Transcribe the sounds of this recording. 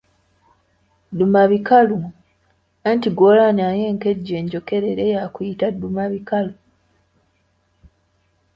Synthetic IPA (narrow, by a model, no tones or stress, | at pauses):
dumaβikalu | antiɡolanaje̞ːŋke̞ɟːe̞ːɲɟo̞ke̞ɾe̞ɾejakujitadumaβikalu